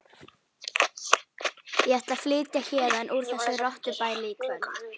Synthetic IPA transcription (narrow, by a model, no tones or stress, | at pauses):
jɛɛht̪lḁflɪːc̪jaçɛːðaɛnʔuɾ̥θɛsːʏrɔht̪ʏpaːjlɪiːkʰvɛn